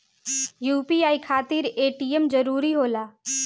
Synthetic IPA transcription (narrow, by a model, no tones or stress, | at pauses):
juːpiaːikʰaːt̪iɾeːʈiːemd͡ʒəɾuːɾiɦoːlaː